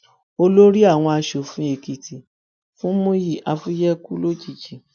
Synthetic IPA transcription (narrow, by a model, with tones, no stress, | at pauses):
o˧lo˦ɾi˦a˦˨w̃ɔ̃˧a˧ʃo˨fũ˨˦e˨ki˨tʰi˨ | fũ˦mo˦ji˦˨ʔa˧fu˦jɛ˦ku˦lo˦d͡ʒi˦˨d͡ʒi˨